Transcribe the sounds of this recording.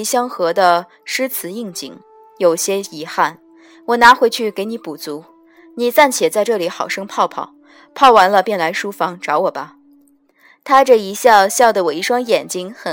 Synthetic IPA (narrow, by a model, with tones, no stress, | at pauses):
ɕjɑ˥ŋxɤ˧˥d̪ə˧ | ʂɻ̩˥t͡sʰɹ̩˧˥i˥˩˧ŋt͡ɕḭ˨˩˦ŋ | jo˨˩ʊɕjɛ˥i˧˥xa˥˩n | wɔ˨˩na˧˥xwe˧˥ɪt͡ɕʰy˥˩ke˧˥ɪni˧˥pu˨˩t͡su˧˥ | ni˨˩t͡sa˥˩nt͡ɕʰjɛ˨˩t͡sa˥˧ɪʈ͡ʂɤ˥˩li˧˥xɑ˨˩ʊʂɤ˥ŋpʰɑ˥˧ʊpʰɑ̰˨˩˦ʊ | pʰɑ˥˩ʊwa˧˥nlə˧pjɛ˥˩nla˧˥ɪʂu˥fɑ˧˥ŋʈ͡ʂɑ˧˥ʊwɔ˨˩bɐ˦ | t̪ʰa˥ʈ͡ʂə˥˩i˧˥ɕjɑ˥˧ɕjɑ˥˩ʊd̪ə˩wɔ˨˩i˥˩ʂwɑ˥ŋjɛ˨˩nt͡ɕi˥ŋxə˨˩